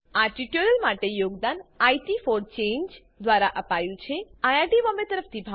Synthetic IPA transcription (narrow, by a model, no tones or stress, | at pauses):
aʈiʈəɾəlmaʈejoɡd̪anaiʈifoɾt͡ʃeɲd͡ʒ | d̪ʋaɾaʔəpajũt͡ʃʰeajaɾʈiʋəmet̪əɾəft̪ʰibʱa